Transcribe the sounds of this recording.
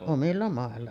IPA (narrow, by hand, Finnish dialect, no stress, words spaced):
omilːɑ mɑˑelːɑ